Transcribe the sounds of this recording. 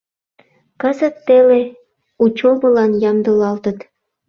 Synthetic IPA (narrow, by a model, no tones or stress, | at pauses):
kɤ̆zə̆t̪ːele | ut͡ɕobɤ̆lɑnjɑmd̪ɤ̆lɑlt̪ə̆t̪